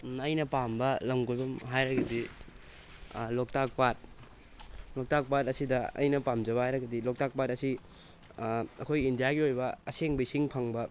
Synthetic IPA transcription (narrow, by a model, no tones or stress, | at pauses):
ɐjnɐpambɐlɐmɡojbɐmɦajɾɐɡɐdi | lok̚tak̚pat̚ | lok̚tak̚patɐsidɐɐ̰jnɐpamd͡ʒɐβɐhajɾɐɡɐdilok̚tak̚patɐsi | ɐkʰojindijaɡiojbɐɐseŋbɐisiŋpʰɐŋbɐ